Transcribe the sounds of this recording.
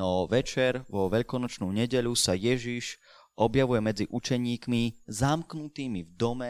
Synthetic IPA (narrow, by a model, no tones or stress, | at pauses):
ɔʋɛt͡ʃɛɾʋɔʋɛʎkɔnɔt͡ʃnuɲɛɟɛʎusajɛʒiʃ | ʔɔbjaʋujɛmɛd͡ziʔut͡ʃɛɲiːkmizamknut̪iːmivd̪ɔmɛ